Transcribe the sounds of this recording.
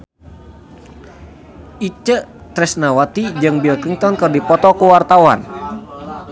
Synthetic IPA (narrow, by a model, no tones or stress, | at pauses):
ʔit͡ʃət̪ɾɛsnawat̪id͡ʒɨŋbilkiŋt̪ɔnkɨrdipɔt̪ɔkuwart̪awan